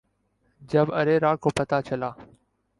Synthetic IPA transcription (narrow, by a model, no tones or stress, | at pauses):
d͡ʒəbəɾeːɾaːɽkoːpət̪aːt͡ʃəlaː